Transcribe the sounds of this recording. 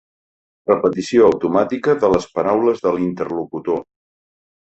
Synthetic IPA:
rəpət̪isioəwt̪umat̪ikəðələspəɾawləzðəlint̪ərlukut̪o

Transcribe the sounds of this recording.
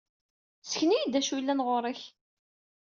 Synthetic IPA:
sə̥çnijid̪æʃwilːænʁoɾˤəç

